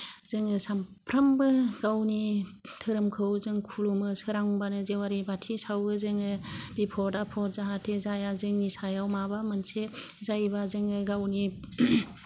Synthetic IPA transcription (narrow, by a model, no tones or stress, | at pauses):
z̥ɯŋɯsampʰɾambɯɡ̥awnitʰɯɾɯmkʰɯwzɯŋkʰulumɯsɯɾaŋbanɯzewaɾibatʰisawɡɯzɯŋɯb̥ipʰɔtapʰɔt̚zaɦatʰezajazɯŋnisajawmabamɯnsezajbazɯŋɯɡawni